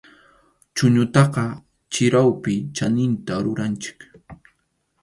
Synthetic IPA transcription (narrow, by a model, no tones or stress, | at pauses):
t͡ʃʊɲʊt̪ɑqɑ | t͡ʃɪɾawpɪt͡ʃanɪnt̪aɾʊɾant͡ʃɪ̥k